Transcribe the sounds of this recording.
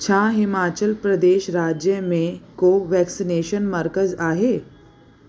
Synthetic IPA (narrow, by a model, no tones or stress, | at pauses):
t͡ɕʰaːɦɪmaːt͡ʃəlpɾəd̪eːʃɾaːd͡ʒjəmẽkoːʋɛːksineːʃənməɾkəzaːɦeː